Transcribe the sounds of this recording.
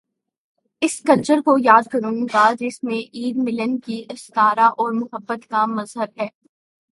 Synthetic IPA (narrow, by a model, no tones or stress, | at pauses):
ɪskɐlt͡ʃəɾkojaːd̪̚kɐɾũɡad͡ʒɪsmẽʔiːd̪mɪlənkiʔɪst̪aːɾaʔɔːɾmʊɦəbːət̪kamɐzɦəbɦɛː